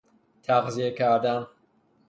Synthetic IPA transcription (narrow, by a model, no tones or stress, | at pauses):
t̪ʰaqzijekʰaɾd̪an